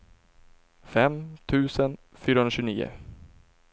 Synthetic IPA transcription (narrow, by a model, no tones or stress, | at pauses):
fɛmt̪ʰʉ̟ːsən | fyːɾahɵnaɕʉnḭːʊ̰